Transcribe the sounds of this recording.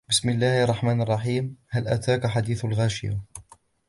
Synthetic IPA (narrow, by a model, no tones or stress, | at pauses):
bɪsmɪlːaːhʔɑrˤːɑħmaːnɑrˤːɑħiːmhalʔa̰t̪aːkaħad̪iːθalɣaːʃɪja̰